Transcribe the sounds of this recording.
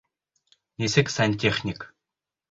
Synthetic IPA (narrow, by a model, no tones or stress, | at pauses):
nʲesʲɘkʲsanʲt̪ʲeχnʲik